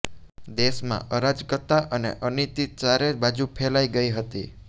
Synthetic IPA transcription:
d̪eʃmã̰ʔəɾad͡ʒkət̪aʔənḛʔənit̪it͡ʃaɾebad͡ʒupʰelaiɡəiɦət̪ḭ

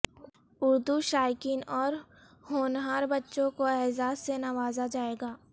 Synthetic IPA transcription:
ʊɾd̪uʃaːɪkɪnɔːɾ | hoːnɦaːɾbɐtːʃõkoɛɦzaːzːenɐʋaːzad͡ʒaːeːɡaː

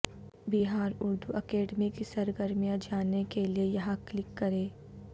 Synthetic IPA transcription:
biɦaːɾʊɾd̪ʱuʔɐkeːɖmikisɐɾɡəɾmijãd͡ʒaːnekeliejɐɦãklɪkːɐɾẽː

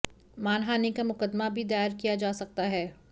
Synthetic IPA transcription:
maːnɦaːnikamʊqəd̪mabʱid̪aːjəɾkijad͡ʒaːsɐk̚t̪aɦɛː

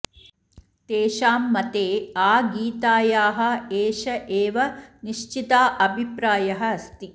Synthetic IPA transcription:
t̪eːʃaːmːɐt̪eːaːɡiːt̪aːjaːɦɐ̆eːʃɐʔeːʋɐniʃt͡ʃit̪aːʔɐbʱipɾaːjɐɦɐɐst̪i

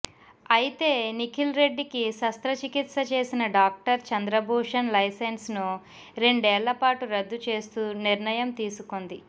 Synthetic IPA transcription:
ɐjit̪e̞ːnikʰilɾe̞ɖːikisɐst̪ɾɐt͡ʃikit̪sɐt͡ʃe̞ːsinɐɖaːk̚ʈɐɾt͡ʃɐnd̪ɾɐbʱuːʂɐnlɐjsensnu | ɾe̞ɳɖɛːɭːɐpaːʈuɾɐd̪ːut͡ʃe̞ːst̪uːniɾɳɐjɐmt̪iːsuko̞nd̪i

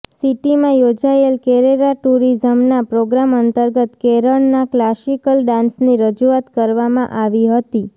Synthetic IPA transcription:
siʈimãjod͡ʒaelkɛɾeɾaʈuɾizəmnapɾoɡɾamənt̪əɾɡət̪keɾəɳnaklasikəlɖãnsniɾəd͡ʒuat̪kəɾʋamãʔaʋiɦət̪i

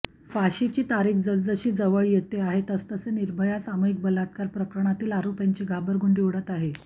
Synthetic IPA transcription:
faɕit͡ɕiːt̪aɾiːkd͡zəd͡zəɕiːd͡zəʋəɭjet̪eaɦet̪əst̪əseniɾbʱəjasamoik̚bəlat̪kaɾpɾəkəɾəɳ̃at̪iːlaɾopjaɲt͡ɕiːɡʱabəɾɡuɳɖiʋɽət̪aɦe

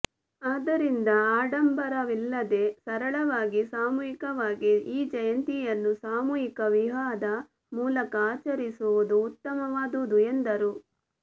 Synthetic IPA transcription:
aːd̪ɐɾind̪ɐaːɖɐmbɐɾɐʋilːɐd̪e̞sɐɾɐɭɐʋaːɡisaːmuːjikɐʋaːɡiiːd͡ʒɐjɐnt̪ijɐnːusaːmuːjikɐʋiɦaːd̪ɐ | muːlɐkɐaːt͡ʃɐɾisuʋud̪uːt̪ːɐmɐʋaːd̪uud̪uend̪ɐɾu

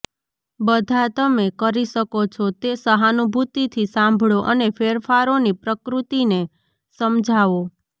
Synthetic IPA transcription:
bəd̪ʱat̪əmekəɾiʃəkot͡ʃʰot̪esəɦanubʱut̪it̪ʰisãmbʱɭoʔənefeɾfaɾonipɾəkɾut̪ine | səmd͡ʒʱaʋo

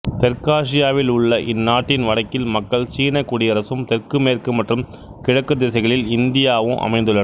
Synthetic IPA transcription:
t̪ɛɾkaːʂ̬ɪjaːʋɪlʊɭːɐʔɪnːaːʈːɪnʋɐɽɐkːɪlmɐkːɐɭt͡ʃiːnɐkːuːɽɪɐɾɐsɯmt̪ɛrkɯmeːrkɯmɐʈrɯm | kɪɻɐkːɯd̪eːsɐɪɣɐɭɪlɪnd̪ɪjaːʋɯmʔɐ̰mɐɪnd̪ɯɭːɐ

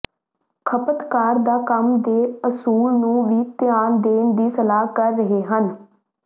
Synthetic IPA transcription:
kʰəpət̪kaːɾd̪aːkəmd̪eːəsuːlnũːʋiːt̪ɪjaːnd̪eːnd̪iːsəlaːkəɾːəɦeːɦən

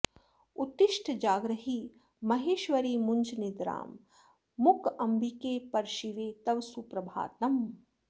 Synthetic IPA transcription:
ut̪ɪʃʈʰd͡ʒaːɡɾɐɦiː | mɐɦeːʃʋɐɾiːmunt͡ʃʰnid̪ɾa̰ːmː | ukɐmbʱikeːpɐɾʃiʋeːt̪ɐʋsupɾɐbʱa̰ːt̪ɐm

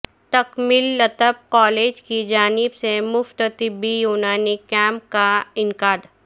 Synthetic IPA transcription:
t̪ɐkmɪlːɐt̪əb̚kɔːleːd͡ʒkid͡ʒaːnɪbsemʊft̪t̪ɪbːijuːnaːnikɛ̃ːmpkaɪŋkaːd̪

